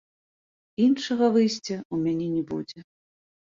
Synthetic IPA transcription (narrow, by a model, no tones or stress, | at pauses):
inʂɐɣɐvɨjsʲt͡sʲɐumʲanʲɛnʲɛbṵd͡zʲɛ